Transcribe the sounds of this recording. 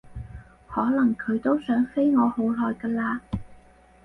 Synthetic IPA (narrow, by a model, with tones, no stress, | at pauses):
hɔː˨˥lɐ˨˩ŋkʰɵ˨˧ɥt̪o˥wsœː˨˥ŋfe˥jŋɔː˨˧ho˨˥wlɔː˨jkaː˧laː˧